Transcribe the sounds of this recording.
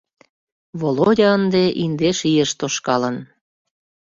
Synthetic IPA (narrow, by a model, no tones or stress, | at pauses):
βolodʲɑənd̪eʔind̪eʃijeʃt̪oʃkɑlən